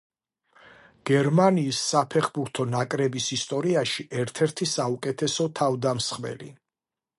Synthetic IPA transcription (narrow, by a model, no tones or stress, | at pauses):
ɡ̥ɛɾmaniːsːapʰɛχbuɾt̪ʰɔnakʼɾɛbisist̪ʼɔɾiaʃiʔɛɾt̪ʰɛɾt̪ʰisaukʼɛt̪ʰɛsɔt̪ʰavd̪amsχmɛ̰lḭ